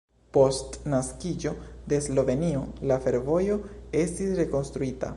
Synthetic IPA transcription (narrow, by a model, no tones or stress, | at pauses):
po̞stnaskid͡ʒo̞d̪e̞slo̞ve̞nio̞lafe̞ɾvo̞jo̞e̞stisɾe̞ko̞nst̪ɾuita̰